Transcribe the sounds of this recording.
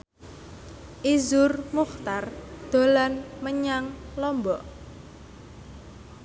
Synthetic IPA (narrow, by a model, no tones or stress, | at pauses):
ʔizʊrmuχt̪ard̪̥o̤lanməɲaŋlɔmbɔʔ